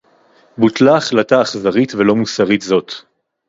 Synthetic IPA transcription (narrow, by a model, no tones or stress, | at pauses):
butlaːχlataːχzaʁitvelo̞musaʁitzo̞t̪